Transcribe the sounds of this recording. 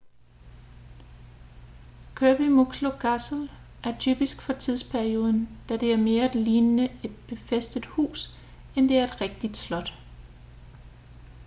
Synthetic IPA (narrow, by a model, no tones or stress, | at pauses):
kʰøːb̥imoɡ̥sloɡ̥ʰæsl̩ | ʔæɐt͡sʰy̰ːb̥isɡ̥fɒ̽t͡sʰið̞ˠspʰæɐio̝ːð̞ˠn̩d̥æd̥e̝æɐme̝ːɐæd̥liːnənəe̝d̥̚b̥e̝fesd̥əð̥ˠhṵːs | end̥e̝æɐe̝d̥ʁɛɡ̥̚d̥id̥slɒ̽d̥